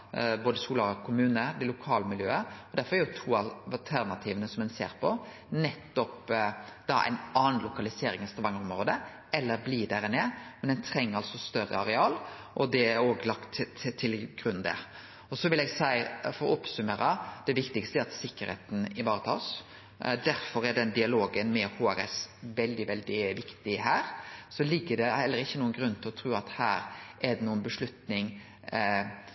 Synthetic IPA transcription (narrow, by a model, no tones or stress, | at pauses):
boːd̪əsuːlɑɾɔkʰʊmʉːnəɾd̪ɛlʊkʰɑːləmɪljø̰ːəɔd̪æfɔɾɛæɾjʊt̪ʰuːɑllt̪ʰæɾnɑt̪ʰiːʋənəsɔmɛnsḛːɾpʰɔ | nɛt̪ːɔpd̪̥ɑæ̰ɪnɑːnlʊkɑlɪseːɾɪŋɪst̪ɑʋɑŋəɾɔmɾoːd̪ə | ɛlːəɾblid̪æɾɪneːmɛnd̪ɛnt̪ʰɾɛŋːəɾɑlsɔst̪œɾə̰ɑɾɛɑːl | ʔɔd̪ɛæɾoːɡlɑkt̪t̪ʰːɪlɡʁʉnd̪ɛ̰ | ɔsɔʋɪlɛːɡsæɪfɔɾɔ̰ʊpsʉmeːɾəd̪̥ɛʋɪkt̪ɪkst̪əæɾɑt̪sɪkːəɾhḛːt̪n̩ɪʋɑːɾət̪ʰɑ̰ːs | d̪æɾfɔɾæɖ̪ɛnd̪ɪɑloːɡənmɛhoːæɾɛ̰sʋɛld̪ɪʋɛld̪ɪʋɪkt̪ɪhæːɾsɔlɪɡːəɖ̪ɛhɛlːəɾɪçːənuːənɡɾʉnːt̪ʰɪlɔt̪ʰɾʉːɑt̪hæːɾæɖ̪ɛnuːənbəʂlʉt̪nɪŋ